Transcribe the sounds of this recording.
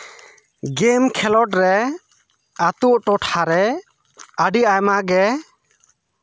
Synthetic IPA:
ɡɛmkʰɛlɔʈɾɛ | at̪uʔʈɔʈhaɾɛ | əɖiʔajmaɡɛ

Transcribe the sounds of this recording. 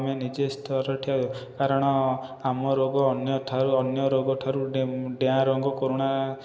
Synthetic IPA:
menid͡ʒest̪ʰɔɾɔʈʰiad̪ɔkaɾɔɽ̃ɔamɔɾoɡɔːnjɔʈʰaɾuɔnjɔɾoɡɔʈʰaɾuɖeãɾɔŋɡɔkoɾuɽ̃a

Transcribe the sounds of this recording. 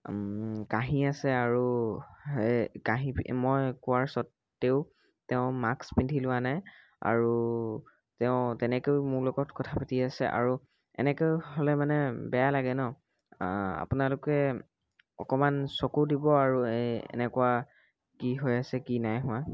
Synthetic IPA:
kaɦĩasɛaɹu | kaɦĩpimɔjkʊaɹsɔtː | eʊ | tɛʊ̃makspintʰilʊanaj | a̰ɹu | tɛʊ̃tɛnɛkeʊmʊɹlɔɡɔtkɔtʰapatiasɛ̰ʔa̰ɹu | ɛ̰nɛkeɦolɛmanɛbɛjalaɡɛnɔ | a̰pʊnalʊkɛ | ɔ̰kɔmansɔkudibɔaɹuɛ̰nɛkʊwa | kiɦojasɛkinajɦʊ̃wã

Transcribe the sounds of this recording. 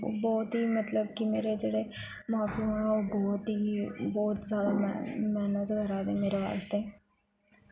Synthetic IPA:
bɔːt̪ɦimɐt̪ləbkimeːɾed͡ʒeːɽe | mãːpiãobɔːt̪ibɔːt̪sjaːd̪am̰mɛːnət̪ɡʱɐɾaːd̪emeːɾeʋa̰ːst̪e

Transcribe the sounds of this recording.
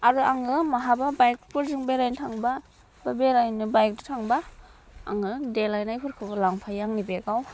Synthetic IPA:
aɾuaŋɯmaɦababajk̚pʰɯɾzɯŋbeɾajntʰaŋba | b̥abeɾajnɯbajk̚dutʰaŋbaa̰ŋɯdelajnajpʰɯɾkʰɯbalaŋpʰajaŋnibeɡaw

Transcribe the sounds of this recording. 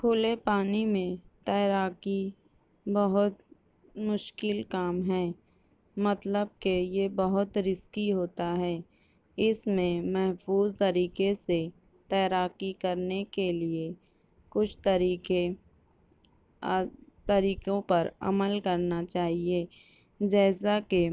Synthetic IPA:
kʰoːlepaːnimẽt̪ɛːɾaːki | bɐɦʊt̪ | mʊʃkɪlkaːmɦɛː | mɐt̪ləb̚kejebɐɦʊt̪ɾɪskiɦoːt̪aɦɛː | ɪsmẽmɛɦfuːzt̪ɐɾiːkese | t̪ɛːɾaːkikɐɾnekelie | kʊt͡ʃʰt̪əɾie | t̪ɐɾiːkõpɐɾɐ̰məlkɐɾnat͡ʃaːɦieː | d͡ʒɛːsake

